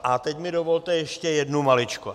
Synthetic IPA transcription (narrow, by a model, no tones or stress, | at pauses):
ʔat̪ɛcmɪdovolt̪ɛjɛʃcɛjɛdnumalɪt͡ʃku